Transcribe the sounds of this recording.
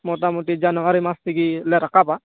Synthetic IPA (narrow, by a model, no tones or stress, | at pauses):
mɔtamuʈid͡ʒanɔaɾimast̪iɡilɛɾakapa